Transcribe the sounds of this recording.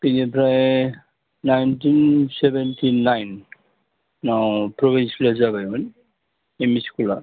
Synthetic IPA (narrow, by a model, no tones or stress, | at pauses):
pinipʰɾaj | najntinsebentʰinajnː | awpɾɔbinsklazabajun | emiskula̰